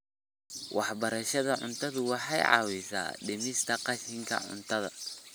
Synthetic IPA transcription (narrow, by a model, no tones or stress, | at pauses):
wʔɑħbɐɾɐʃɐðɐʕʊ̰nt̪ʰɐðʊwɑħɑ̰jʕɑ̰ːwɪsa̰ːɖɛmɪst̪ʰɐqɑʃɪŋkʰɐ̰ʕʊ̰nt̪ʰɐðɐ